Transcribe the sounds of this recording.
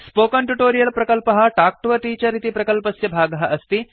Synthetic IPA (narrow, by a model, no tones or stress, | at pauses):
spoːkɐɳʈuʈoːɾijɐlpɾɐkɐlpɐɦɐ̆ʈaːk̚ʈʋɐʈ̪iːt͡ɕɐɾit̪ipɾɐkɐlpɐsjɐbʱaːɡɐɦɐʔɐst̪i